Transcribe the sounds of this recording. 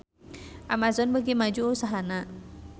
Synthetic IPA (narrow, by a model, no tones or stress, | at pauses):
ʔamazɔnbəɡimad͡ʒuʔusaɦana